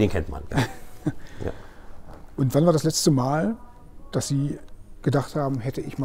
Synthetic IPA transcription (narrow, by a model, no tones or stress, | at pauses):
d̥eːnkʰɛntma̰nja̰ | a̰ | ʔʊntv̥anvaːɐdaslɛt͡stəmaːl | d̥asz̥iːɡ̥ədaχthaːbm̩ɦɛtəʔɪçma